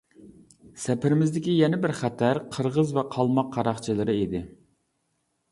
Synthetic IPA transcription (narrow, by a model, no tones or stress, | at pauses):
sɛpʰɪɾɪmɪzd̪ɪkʲijɛnɪbɪɾχæt̪ʰæɾqʰəɾʁəzvɛqʰɑlˠmɑqʰːɑɾɑχt͡ʃʰɨlˠɨɾɨid̪ɪ